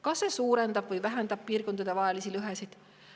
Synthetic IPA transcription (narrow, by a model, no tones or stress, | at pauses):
kɑsːe̞suːɾe̞nd̪ɑb̥vɤjvæɦend̪̥ɑb̥̚piːrko̞nd̪ɑd̪̥e̞vɑelisilyɦesid̪̥